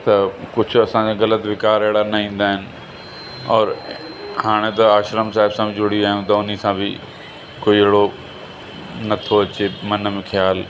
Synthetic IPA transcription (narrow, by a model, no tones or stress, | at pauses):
t̪ɐkʊd͡ʑʰʱʊɐsãd͡ʑaɣɐlət̪ʋɪkaːɾeɦɪɽanɐɦĩːn̆d̪aːɦɪnɪ̆ | ɔːɾ | haːɽ̃et̪ɐaːʃɾəmsaːɦɪbsãbɪd͡ʑʊɽiaːɦjũt̪ɐʊnisãbɪ | koːieɪɽo | nɐt̪ʰoɐt͡ɕemɐnmẽxʰjaːl